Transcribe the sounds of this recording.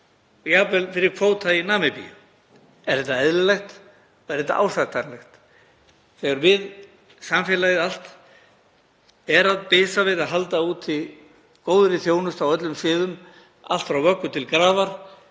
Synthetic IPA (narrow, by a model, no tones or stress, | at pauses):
jaːpɛlfɪɾɪɾkʰvoːwt̪ʰainaːmɛpḭjʏ̰ | ɛɾ̥θɛht̪ːaɛðlʏlɛxt̪ | ɛɾ̥θɛt̪ːa̰ʔa̰wsat̪anlɛxt̪ | θɛɣaɾmɪð | samfɪlajɪal̥t̪ | ɛɾaðpɪːsavɪðaðɦalt̪auːt̪ʰɪ | koːwðɾɪθjoːwnʏst̪awœt̪lʏmsvɪːðʏm | a̰l̥t̪fɾawvœkːʏt̪ʰɪlkɾaːvaɾ̥